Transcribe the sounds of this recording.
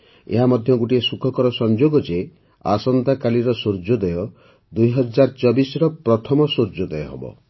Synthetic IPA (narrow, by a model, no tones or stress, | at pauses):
ḛɦamɔd̪ʱjɔɡuʈiesukʰɔkɔɾɔsɔnd͡ʒoɡɔd͡ʒe | a̰sɔnt̪akaliɾɔsoɾd͡ʒɔd̪ejɔ | d̪ujɦɔd͡ʒaɾt͡ʃɔbisɾɔpɾɔt̪ʰɔmɔsoɾd͡ʒɔd̪ɛjɔɦɔ̰bɔ̰